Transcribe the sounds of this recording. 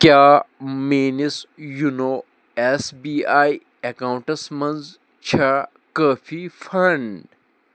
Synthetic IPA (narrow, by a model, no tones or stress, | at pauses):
kjaːmeːnisjunoː | esbiːaːj | ekaːw̃ɳʈɐsmɐnz | t͡ɕʰa | kaːfʰifɐɳɖ